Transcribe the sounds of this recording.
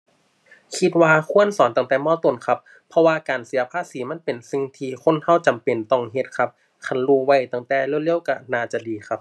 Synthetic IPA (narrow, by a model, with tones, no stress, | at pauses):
kʰi˧˥t̪̚waː˧kʰu˧˥˨ənsɔː˨˦nt̪a˧˩ŋt̪ɛː˧˩mɔː˧˩t̪o˨˩nkʰa˦˥p̚ʰːɔ˧waː˧kaː˨nsi˩˦ɐpʰaː˧˥siː˩˦ma˧˥˨npe˨˩nsi˧ŋt̪ʰiː˧kʰo˧˥˨nha˧˥˩wt͡ɕa˨mpe˨˩nt̪ɔ˧˩ŋɦe˧˥t̪̚kʰa˧˥p̚ | kʰa˧˩nluː˧wa˧˥˩jt̪a˧˩ŋt̪ɛː˧˩lɯ˧˩˨li˧˥˩ə˨wka˧˩naː˧˩t͡ɕa˨˩diː˨kʰa˦˥p̚